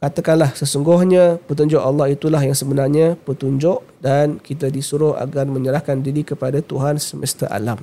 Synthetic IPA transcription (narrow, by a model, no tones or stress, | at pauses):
kat̪akanlahsəsuŋɡʊhɲapət̪̬uɲd͡ʒʊʔɑlːɑɦit̪ulaɦjaŋsəbənarɲapət̪uɲd͡ʒʊʔ | dankit̪adisuɾʊha̰ɡarmə̃ɲəɾahkandiɾikəpadat̪uɦansəməst̪a̰ʔa̰lam